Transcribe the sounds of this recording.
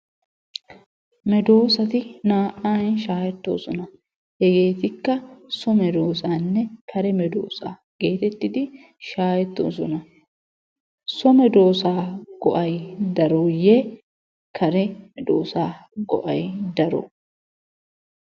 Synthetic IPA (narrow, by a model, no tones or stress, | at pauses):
mɛd̪o̞ːsɐt̪ɪnaːʔaːjɪnʃaːjɛt̪ːo̰ːsɔnɐ | jɛɡe̞ːt̪ɪkːɐsɔmɛd̪oːsaːnːɛkʰɐɾɛmɛd̪o̰ːsa̰ː | ɡ̥e̞ːt̪ɛt̪ːɪd̪ɪ | ʃaːjɛt̪ːo̰ːs̬ɔnɐ | sɔmɛd̪o̞ːsaːɡ̥ɔʔɐjd̪ɐɾoje | kʰɐɾɛmɛd̪o̰ːsaːɡɔ̰ʔɐjd̪ɐɾɔ̰